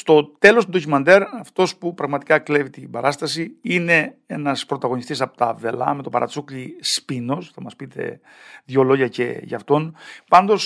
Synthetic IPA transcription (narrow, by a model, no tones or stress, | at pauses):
st̪o̞t̪e̞lo̞st̪ud̪o̞cumɐnd̪e̞ɾɐft̪o̞spupɾɐɣmɐt̪ikɐklevit̪imbɐɾɐst̪ɐsiine̞e̞nɐspɾo̞t̪ɐɣo̞nist̪isɐpot̪ɐve̞lɐ̰me̞t̪o̞pɐ̰ɾɐ̰t͡suklispino̞sθɐmɐspit̪e̞̰ | ðʝo̞lo̞ʝɐce̞̰ʝɐ̰ːft̪o̞npɐnd̪o̞s